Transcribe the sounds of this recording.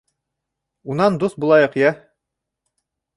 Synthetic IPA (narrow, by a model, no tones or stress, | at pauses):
unɑnd̪uθbulˠɑjɤqjæ